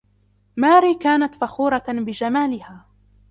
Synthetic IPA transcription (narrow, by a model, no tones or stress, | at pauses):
maːɾiːkaːnat̪faxuːɾˤɑbɪd͡ʒamaːlɪhaː